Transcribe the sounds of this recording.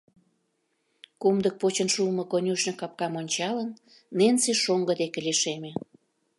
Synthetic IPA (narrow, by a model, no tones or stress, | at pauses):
kumd̪ək̚pot͡ɕənʃumə̆konʲuʃnekɑp̚kɑmonʲt͡ɕɑlənː | enseʃoŋɡə̆d̪ekeleʃemĕ